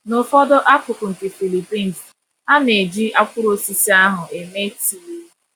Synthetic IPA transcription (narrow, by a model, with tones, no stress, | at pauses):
nʊ˨fɔ˦dɔ˦ʔa˦kʊ˨kʊ˨n̩˨tɪ˨fi˨li˨pi˦n˨z | a˦ne˨d͡ʒi˦a˦kʷʊ˦ɾo˦si˦si˦a˦ɦʊ˨e˨me˦ti˨le˦